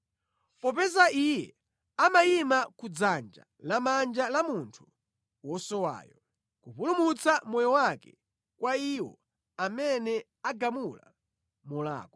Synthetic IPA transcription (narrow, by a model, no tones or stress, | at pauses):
pɔpɛzaijɛ | amajimakud͡zand͡ʒa̰ | lamand͡ʒalamuntʰu̥ | wɔsɔwa̰ːjɔ | kupulumut͡samɔjɔwakɛ̰ | kwaiwɔ̰ | amɛnɛ | aɡamula̰ | mɔla̰ːkɔ̥